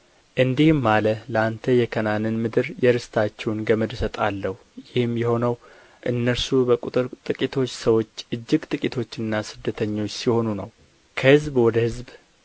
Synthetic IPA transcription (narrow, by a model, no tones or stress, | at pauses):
ʔɨnd̪ihmːalələant̪ʰəjɛkʰənanɨnmɨd̪ɨɾjɛɾɨst̪ʰat͡ʃːɛwnɡəməd̪sət̪ʼalːəhujɪhɨmjɛho̞nəw | ʔɨnːəɾsubəkʼut̪ʼɨɾt̪ʼɨkʼit̪ʰo̞t͡ʃːsəwo̞t͡ʃːʔɨd͡ʒːɪɡt̪ʼɨkʼit̪ʰo̞t͡ʃːɨnːasɨd̪ːət̪ʰəɲːo̞t͡ʃːsiho̞nunəw | kʰəhɨzbwɔd̪əhɨzb